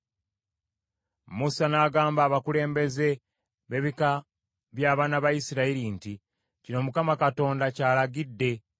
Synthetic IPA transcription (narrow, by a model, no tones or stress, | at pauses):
musanaːɡaːmbaːβakule̞ːmbe̞ze̞ | βe̞βika | βjaːβaːnaβajisiɾaiɾinti | cino̞mukamakato̞ːndacaːlaɡidːe̞